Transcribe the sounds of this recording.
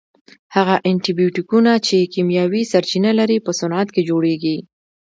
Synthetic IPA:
haɣaʔaɳʈibjuʈikunat͡ʃekimjɑwisaɾt͡ʃinalaɾipəsʊnat̪ked͡ʒoɽeɡi

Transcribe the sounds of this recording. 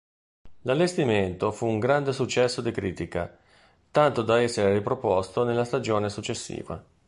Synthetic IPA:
lalːest̪iment̪ofuːŋɡɾand̪esut͡ʃːɛsːod̪ikɾiːt̪ika̰ | t̪ant̪od̪aɛsːeɾeripɾopɔst̪onelːast̪ad͡ʒoːnesut͡ʃːesːḭːva̰

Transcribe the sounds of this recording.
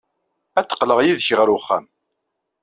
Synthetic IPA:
æt͡sːə̥qləʁjiðçəʁɾuχːæ̰m

